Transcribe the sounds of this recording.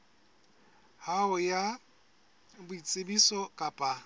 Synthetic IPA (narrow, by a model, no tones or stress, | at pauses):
haʊja | bʊit͡sʼɪbisɔkʼapʼa